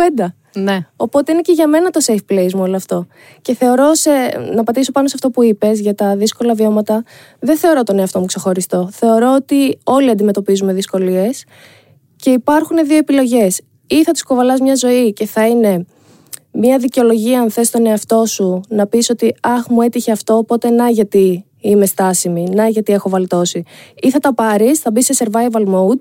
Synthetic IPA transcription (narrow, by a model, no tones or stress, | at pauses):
end̪ɐ | o̞po̞t̪e̞ine̞ce̞ʝɐme̞nɐt̪o̞sejfple̞jzmuolɐft̪o̞ | ce̞θe̞o̞ɾo̞senɐpɐt̪iso̞pɐnosɐft̪o̞puipe̞zʝɐt̪ɐðisko̞lɐvio̞mɐt̪ɐ | ðenθe̞o̞ɾo̞t̪o̞ne̞ɐft̪o̞mukse̞xo̞ɾist̪o̞θe̞o̞ɾo̞ot̪io̞liɐnd̪ime̞t̪o̞pizume̞ðisko̞lie̞s | ce̞ipɐɾxune̞ðio̞epilo̞ʝe̞s | iθɐt̪i̥sko̞vɐlɐzmɲɐzo̞ice̞θɐine̞ | mɲɐðiceolo̞ʝiɐɐnθe̞st̪o̞ne̞ɐft̪o̞sunɐpiso̞t̪iɐxmue̞t̪içe̞ɐft̪o̞ːpo̞t̪e̞nɐʝɐt̪i | ime̞st̪ɐsiminɐʝɐt̪ie̞xo̞vɐlt̪o̞siiθɐt̪ɐpɐɾisθɐbise̞se̞ɾvɐjvɐlmowd̪̚